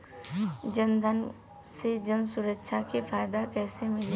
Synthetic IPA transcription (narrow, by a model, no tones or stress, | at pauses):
d͡ʒənd̪ʱən | sed͡ʒənsʊɾəkːʃʰakefʰaːɪd̪akɛːsemɪle